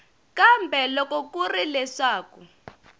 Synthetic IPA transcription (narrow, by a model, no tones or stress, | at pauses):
kambʱɛlɔkɔk̬ʼurilɛʂaːku